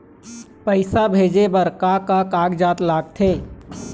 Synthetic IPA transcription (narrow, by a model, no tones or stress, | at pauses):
pəɪsabʱeːd͡ʒebəɾkakakaːɡd͡ʒaːt̪laːɡ̚t̪ʰeː